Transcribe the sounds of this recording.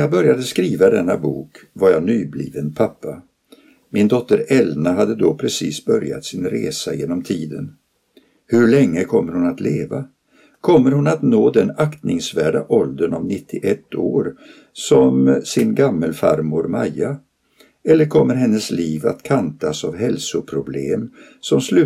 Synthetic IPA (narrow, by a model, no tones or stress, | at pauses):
jaːbœɾjad̪əskɾiːvad̪ɛnːabṵːkvaɾjanyːblḭːvənpʰapːa | mɪnd̪ɔt̪ːəɾɛlnaɦad̪ːəd̪ɔpʰɾɛsiːsbœɾja̰t̪sɪnɾḛːsajeːnɔmt̪ʰiːd̪ən | hɵɭɛŋːəkʰɔmːəɾhʊnat̪leːva | kʰɔmːəɾhʊnat̪noːd̪ɛnakt̪nɪŋsvæːɖa̰ʔɔld̪ənɔmnɪt̪ʰːɪʔɛt̪ʰːoːɾ | sɔmsɪnɡamːəlfa̰ɾmuɾmajːa | ɛlːəɾkʰɔmːəɾɦɛnːəsliːva̰t̪kʰant̪asavɦɛlsʊpʰɾʊbleːm | sɔmslʉ̟ː